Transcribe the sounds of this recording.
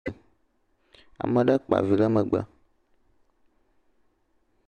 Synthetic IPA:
a̰˨mẽ˨ɖa˦k͡pa̰˨vi˨la˦me˨ɡ͡ba̰˦

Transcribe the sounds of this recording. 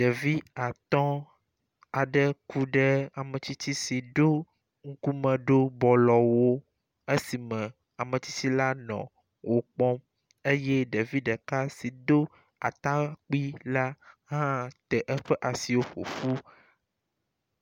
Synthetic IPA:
ɖe˨vi˦a˨t̪ɔ̃˦ | a˨ɖɛ˦ku˦ɖɛ˦a˨mɛ̃˨t͡ɕ̪i˦t̪i˦si˨ɖo˦ | ŋ̩˦ku˦mɛ̃˨ɖo˦bɔ˨lɔ˨wo˦ | e˦si˨mɛ̃˨ | a˨me˨t̪i˦t̪i˦la˦nɔ̰̃˨ | wʔo˨k͡pɔ̃˦m | e˦je˦ɖe˨vi˦ɖɛ˨ka˦si˨d̪o˦ | a̰˨t̪a˦k͡pi˦la˦ɦã˦t̪ɛ˨ʔɛ˦ɸɛ˦ʔa˨si˨wo˦ɸo̰˨fu˦

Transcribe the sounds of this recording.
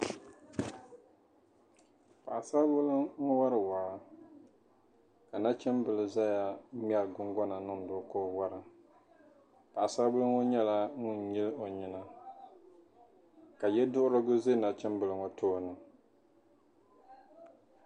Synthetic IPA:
pa˨a˨sa˦bʊ˦lɨ˦ŋ̩˦wa˦ɾɨ˨waː˨˦ | ka˨na˦t͡ʃɛ˦mbɨ˨lɨ˨za˦ja˦mi˦ɛ˨lɡʊ˦ŋɡɔ˦na˨nɨ˦ŋ˨dʊ˦ko˦wa˦ɾɨ˨ | pa˨a˨sa˦bʊ˦lʊ˦ŋo˦ɲɛ˦la˦ŋʊ˦n˨ɲi˦lo˨ɲɪ˦na˦ | ka˨jɛ˦dʊ˦ʔʊ˦ɾɨ˦ɡʊ˦ze˦na˨t͡ʃɛ˦mbɨ˨lɨ˨ŋɔ˦tʰoː˦˨nɨ˨

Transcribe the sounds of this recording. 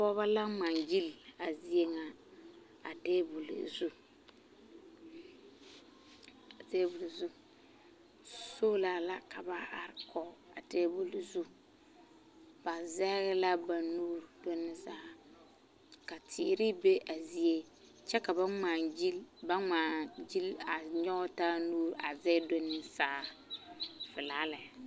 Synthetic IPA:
pɔː˦βa˦la˦ma˨ŋd͡ʒi˦la˨zi˦e˦ŋa˨ | a˨deː˦bu˨lḭ˨zu˦ | a˨te˦bu˨lzu˦ | so˦la˨la˦kʰa˨ba˦a˨ɾkʰɔ˨a˨teː˦bu˦lzu˦ | b̥a˨zɛ˦ɣɪ˦la˦ba˨nuː˦ɾdo˦nːɪ˦sa˦a˨ | ka˨tʰɪ̰˨ɾɪ˦be˦ʔa˨zi˦e˦ | t͡ʃɛ˦ka˨ba˦maː˨d͡ʒi˦ba˦maː˨d͡ʒi˦la˨ɲɔ˦taː˦nuː˦ɾa˨zɛ˦do˦nːɪ˦sa˦˨ | fɪ˨laː˦lɪ˨

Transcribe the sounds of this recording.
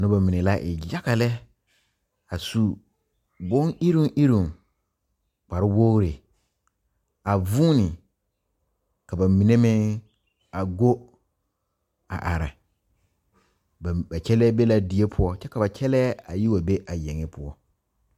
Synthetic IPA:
nʊ̃˦ba˨mĩ˨ne˨la˦ʔɪ˨ja˦ka˨lɛ˦ | a˨su˦ | bʊ̃˦ŋi˦ɾũ˦ʔi˦ɾũ˨ŋ | k͡pa˨ɾɪ˦wo˦ɣɾe˨ | a˨vuː˦nɪ̃˨ | ka˨ba˨mĩ˨nẽ˦mɪ̃˦ | a˨ɡo˦ | a̰˨ʔa̰˨ɾa̰˨ | ba˨t͡ʃʰɛ˦lɛ˦be˦la˦di˨˦e˦pʰʊ˨ɔ˦t͡ʃɛ˦ka˨ba˨t͡ʃʰɛ˦lɛː˦a˨ji˦wa˨be˦ʔa˨jɛ̃˨ŋɪ˦pʰʊ˦ɔ˦

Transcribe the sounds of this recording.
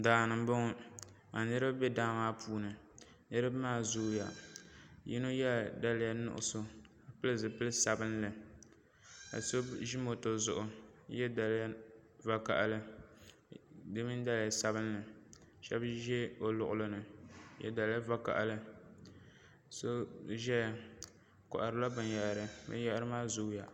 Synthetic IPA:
daː˨nɨ˨m˦bʊ˦ŋʊ˦ | a˨nɨ˦ɾɨ˦bbɛ˦daː˦maː˦pʰuː˦nɨ˨ | nɨ˦ɾɨ˦bmaː˦˨zu˦ja˨ | jḭ˦no˦jɛ˦da˦lja˦nʊ̰˨ʔʊ̰˦˨so˦ | a˨pɨ˦ɨ˦˨zɨ˨pɨ˦lɨ˦sa˨bɨ˦nlɨ˨ | a̰˨so˦bʒi˦mo˨to˨zʊ˦ʔʊ˨˦jɛ˦da˨lj | va˦ka̰˨ʔa˨lɨ˦ | dɨ˦mɨ˦n˦da˦la˨sa˦bɨ˦nlɨ˨ | ʃɛ˦bʒɛ˦o˨lʊ˨ʔʊ˨lɨ˦nɨ˨jɛ̰˦da˨lja˦va˦ka̰˨ʔa˨lɨ˦ | so˦ʒɛ˦ja˨ | kɔ̰˨ʔa˨ɾɨ˨la˦bɨ˨nja˨ʔɾɨ˦bɨ̰˦ja˦ʔɾɨ˦maː˦zu˦ja˨

